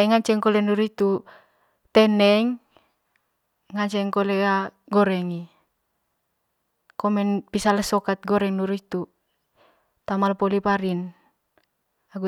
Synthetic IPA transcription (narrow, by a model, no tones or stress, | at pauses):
iŋaɲt͡ʃɛŋkɔlɛnuɾit̪u | t̪ɛnɛŋ | aɲt͡ʃɛŋkolɛaɡɔɾɛŋi | kɔmɛnpisalɛsɔkat̪̚ɡɔɾɛŋnuɾit̪u | t̪amalpolipaɾin | aɡu